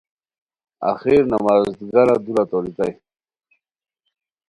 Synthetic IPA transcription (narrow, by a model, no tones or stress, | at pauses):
a̰xiɾnamazd̪ɡaɾad̪uɾat̪olit̪aj